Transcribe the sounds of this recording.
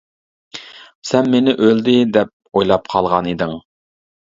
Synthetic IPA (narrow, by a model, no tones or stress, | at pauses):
sɛnmenɪʔøld̪ɪd̪ɛp̚ojlˠɑpqʰɑlˠʁɑnid̪ɪŋ